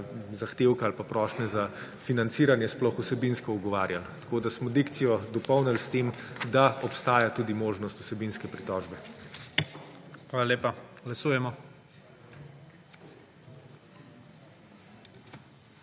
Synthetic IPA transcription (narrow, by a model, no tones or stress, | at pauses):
zaxt̪eːwkaalpapɾɔːʃnɛza | finant̪siːɾanjɛsplɔxusɛbinskɔuɡɔʋaːɾjalt̪ḁkoːd̪asmɔd̪ikt̪sijɔd̪ɔpɔwnɛlst̪emd̪aɔpst̪aːjat̪uːd̪imoːʒnɔst̪u̥sɛbinskɛpɾit̪ɔːʒbɛ | xʋalaleːpaɡlasuːjɛmɔ